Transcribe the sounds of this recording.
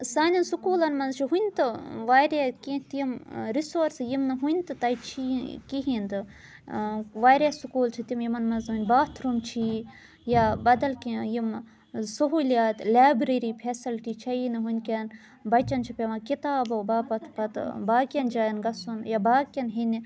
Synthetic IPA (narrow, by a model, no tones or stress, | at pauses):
saːnʲɐnsukuːlɐnmɐnzt͡ʃʰiɦunʲt̪ɨʋaːjɾakĩt̪ːmɾisoːɾsjimnɨɦunʲt̪ɨt̪ɐit͡ʃʰikiɦind̪ɨ | ʋaːɾʲasukuːlt͡ʃʰit̪imjimɐnmɐnzunʲbaːt̪ʰɾumt͡ʃʰi | jabɐd̪ɐlkijim | sɐɦuːljaːt̪lʲaːbɾeɾipʰesilʈit͡ʃʰɐjinɨɦunʲkʲɐn | bɐt͡ʃɐnt͡ʃʰipʲeʋaːkit̪aːbɐwbaːpɐt̪pɐt̪baːkʲjɐnd͡ʒaːjɐnɡɐsunjabaːkʲɐnɦinʲi